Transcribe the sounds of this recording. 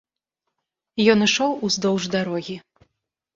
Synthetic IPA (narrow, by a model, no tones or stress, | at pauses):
jɔnɨʂɔwuzd̪ɔwʐd̪aɾɔɣʲi